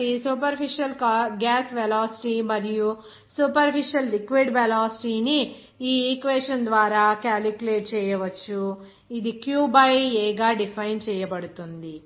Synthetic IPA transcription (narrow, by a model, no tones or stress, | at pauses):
isupɐɾpʰiʂiɐlɡaːsʋelaːsi̥ʈimɐɾiju | suːpɐɾpʰiʂiɐlːikʋiɖʋelaːsi̥ʈiːni | iːiːkʋɛːʂɐnd̪ʋaːɾaːkaːlikjuleːʈ̚t͡ʃɛːjɐʋɐt͡ʃːu | id̪ikjuːbɐjɛːɡaːɖipʰɐjnt͡ʃɛːjɐbɐɽut̪und̪i